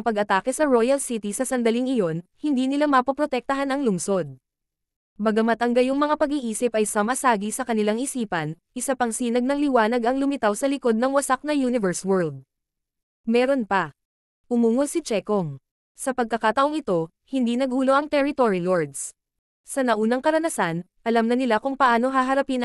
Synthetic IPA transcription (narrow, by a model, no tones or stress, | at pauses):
ŋpɐɡɐt̪aːkɛsɐɹojɐlsit̪isɐsɐnd̪ɐliŋɪjo̞nhɪnd̪iːnɪlamɐpɐpɾot̪ɛk̚t̪ɐɦanɐŋlʊŋso̞d̪̚ | mɐɡɐmɐt̪ɐŋɡɐjʊŋmɐŋapɐɡiʔiːsɪpʔɐjsɐmɐsaːɡisɐkɐnɪlaŋʔɪsiːpɐnʔɪsapɐŋsiːnɐɡ̚nɐŋlɪwaːnɐɡʔɐŋlʊmɪt̪awsɐlɪko̞d̪̚nɐŋwɐsak̚nɐjunɪvɛɹswɛɹld̪̚ | mɛːɾo̞npɐ | ʔʊmuːŋod̪sɪt͡ʃɛkoŋ | sɐpɐɡ̚kɐkat̪ɐʔo̞ŋɪt̪o̞ | hɪnd̪inɐɡ̚huːlo̞ʔɐŋt̪ɛɾɪt̪oɹiloɹd̪s | sɐnɐʔuːnɐŋkɐɾɐnɐsanʔɐlamnɐnɪlakʊŋpɐʔaːno̞ɦaɦɐɾɐpin